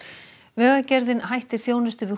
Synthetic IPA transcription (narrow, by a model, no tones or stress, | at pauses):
vɛːɣacɛɾðɪnhajht̪ɪɾ̥θjoːwnɪst̪ʏvɪ